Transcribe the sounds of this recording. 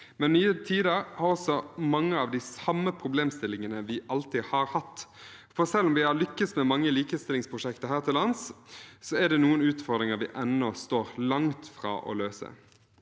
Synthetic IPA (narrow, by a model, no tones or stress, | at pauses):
mɛnnyːət̪ʰiːd̪əɾhɑɾɔsɔmɑŋːəɑʋd̪ɪsɑmːəpʰɾʊbleːmst̪ɪlːɪŋənəʋɪʔɑlt̪ɪhɑɾhɑt̪ː | fɔʁsɛlːɔmʋɪhɑɾlʏkːəsmɛmɑŋːəliːkəst̪ɪlɪŋspʰɾʊʂɛkt̪əʁhæːʁt̪ʰɪlɑnssɔɛd̪ɛnuːənʉːt̪fɔʁd̪ʁɪŋəɾʋɪʔɛnːɔst̪oːɾlɑŋt̪fʁɑ̰ːʔɔ̰løːsə̰